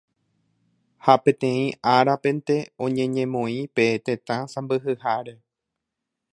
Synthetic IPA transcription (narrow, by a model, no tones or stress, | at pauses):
hapẽ̞t̪ẽ̞ĩʔaɾapẽ̞nt̪e̞õ̞ɲẽ̞ɲẽmõ̞ĩpe̞t̪ẽ̞t̪ãsãmbɨɦɨhaɾe̞